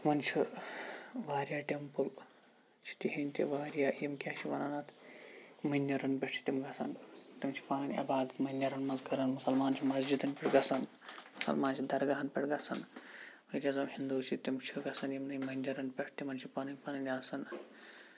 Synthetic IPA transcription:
mɐnt͡ʃʰi | ʋaːɾʲjaːʈempul | t͡ʃʰi̥t̪iɦinʲt̪ḭʋaːɾjaːjimkʲaːʃʰiʋɐnaːnat̪ʰ | mɐnʲːjɐɾɐnpʲeʂʈʰi̥t̪imɡɐsɐnt̪imt͡ʃʰi̥paːnɐnʲɐ̰baːd̪ɐt̪mɐnʲːɐɾɐnmɐzɡɐɾɐnmusɐlmaːnt͡ʃʰimɐzd͡ʒid̪ɐnʲpʲiʈɡɐsɐn | musɐ̰lmaːnt͡ʃʰid̪ɐɾɡɐɦɐnpʲeʈɡɐsʰɐnʋɐɾʲɐzɐmhind̪uːt͡ʃʰit̪imt͡ʃʰiɡɐsɐnjimnɐmɐnʲːɐɾɐnpʲeʂt̪imɐnt͡ʃʰipaːnɐnʲpɐːnɐnʲaːsɐn

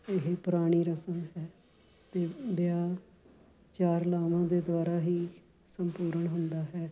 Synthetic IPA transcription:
ɪɦepʊɾaːɽ̃iːɾəsəmɦɛː | t̪eːbɪjaː | t͡ʃaːɾlaːʋãːd̪eːd̪ʊaːɾaːɦiː | səmpuːɾəɳɦʊnd̪aːɦɛː

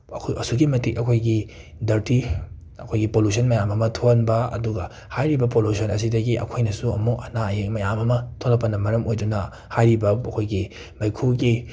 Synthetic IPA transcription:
ɐkʰɐsuɡimɐtikɐkʰojɡi | dɐɾti | ɐkʰojɡipolusʰɐnmɐjamɐmɐtʰonbɐɐ̰duɡɐ | hajɾibɐpolusʰɐnɐs̬idɐɡiʔɐ̰kʰojnɐsuɐ̰muʔɐnajemɐjamɐmɐtʰolɐpːɐnɐmɐɾɐmojdunɐ | hajɾibɐɐkʰojɡi | mɐjkʰuɡi

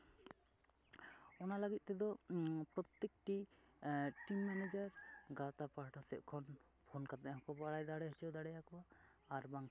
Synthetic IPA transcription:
ɔnalaɡit̪̚ˀt̪ɛd̪ɔpɾɔt̪ːek̚ʈi | ʈimːɛnɛd͡ʒaɾɡat̪apaɾʈʰɔsɛʔkʰɔn | pʰonkat̪aʔɦɔkɔbaɽajd̪aɽɛɦɔt͡ʃɔd̪aɽɛjakɔwaː | ɾbaŋ

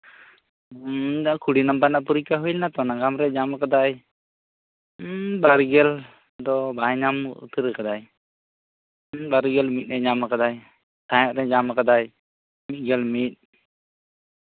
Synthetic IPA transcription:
kʰuɽinambanaʔpuɾikaɦulnat̪ɔnaɡamɾɛd͡ʒamakad̪aj | baɾɡɛl | d̪ɔbajɲam̰ṵt̪əɾkad̪aj | baɾɡɛlmit̪̚ˀnɛɲamakad̪aj | t̪ʰajɔʔɾɛɲamakad̪aj | mit̪̚ˀɡɛlmit̪̚ˀ

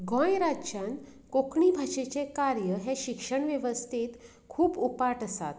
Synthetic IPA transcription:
ɡʱɔ̃jɾat͡ɕankokɳibʱaɕet͡sekaɾjəɦɛɕikʂəɳʋjeʋəst̪ʰit̪ | kʰuːpupaʈəsa̰t̪̚

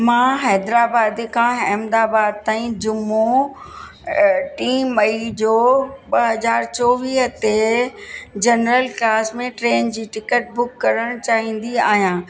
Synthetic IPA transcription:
mãːɦɛːd̪ɾaːbaːd̪ikʰãːɦɛːmd̪aːbaːd̪̚t̪ãːĩd͡ʑʊmo | ʈiːmːɐid͡ʑoːbɐɦɐzaːɾt͡ɕɔːʋiːɦət̪e | d͡ʑɐnɾəlklaːsmẽʈɾeːnd͡ʑiːʈɪkəʈ̚bʊkːɐɾəɽ̃t͡ɕaːɦĩːn̆d̪iaːɦijãː

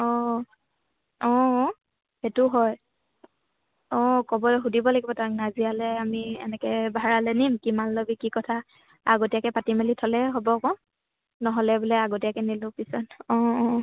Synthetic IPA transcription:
ɔ̃ | ɔ̃ | hetʊɦɔj | ɔ̃kɔbɔlɛxudibɔlaɡibɔtak̚nazialɛamiɛ̰nɛkɛbʱaɹalɛnimkimalːobikikɔtʰa | aɡotijakɛpatimalitʰɔlɛɦobɔkɔ̃ | nɔɦɔlɛbulɛaɡotijakɛnilʊ̃pisɔtɔ̃ɔ

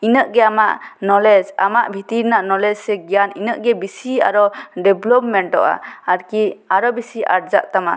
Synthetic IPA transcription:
inəʔɡɛamaʔnɔlɛd͡ʒa̰maʔbʱit̪iɾnaʔnɔlɛd͡ʒsɛɡijaninəʔɡɛbisia̰ɾɔɖɛblɔp̚mɛɳʈɔ̰ʔa̰aɾkiaɾɔbisia̰ɾd͡ʒaʔt̪ama̰

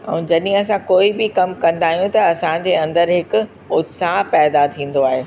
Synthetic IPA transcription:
ɛ̰̃ːd͡ʑɐɗɪɦẽɐsãkoːibɪkɐmkɐ̃nd̪aːɦijũt̪ɐɐsãd͡ʑeːɐ̃nd̪əɾɦɪkʊ̆ | ʊt̪saːɦpɛːd̪at̪ʰĩːn̆d̪oaːɦeː

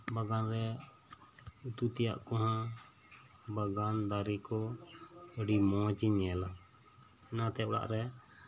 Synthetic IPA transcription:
baɡanɾɛ | ut̪ut̪ɛja̰ʔkɔɦã | baɡand̪aɾikɔ | əɖimɔ̃t͡ʃiɲɛla | ɛnat̪ɛɔɽa̰ʔɾɛ

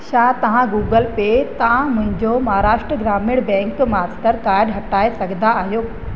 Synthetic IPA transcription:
ʃaːt̪ɐʋ̤ãɡuːɡəlpet̪ɐʋ̤ãmʊ̃ɦɪ̃ɲd͡ʑomɐɦaɾaːʃʈɾəɡɾaːmɪɽbɛ̃ːŋkmaːsʈəɾkaːɪɖɦɐʈaːesɐɡʱnd̪aaːɦjoː

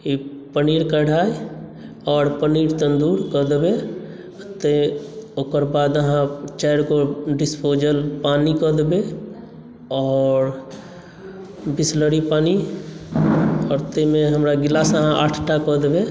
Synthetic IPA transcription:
ipəniɾkəɽ̤ʱaj | ɔːɾpəniɾt̪ənd̪uɾkəd̪be | t̪eokəɾbad̪əɦãt͡ʃɛjɾkoɖispod͡ʒəlpanikɔd̪be | ɔːɾ | bisləɾipani | ɔːɾt̪əmeɦəmɾaɡilasəɦãʔaʈʰʈakɔd̪be

